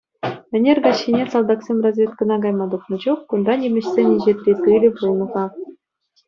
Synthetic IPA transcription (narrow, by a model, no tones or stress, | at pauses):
mʲɘ̆nʲerʲɡɑɕːinʲesɑlˠd̪ɑksʲemʲrɑzʲvʲet̪kɤ̆nɑɡɑjmɑd̪uχnɤ̆d͡ʑuχːund̪ɑnʲemʲɘ̆ɕsʲenʲeʑet̪ʲrʲekɯlʲɘ̆pulʲmɤ̆ʁɑ